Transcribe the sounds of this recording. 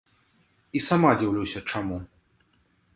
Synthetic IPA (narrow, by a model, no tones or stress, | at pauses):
isamad͡zʲiwlʲusʲɐt͡ʂamu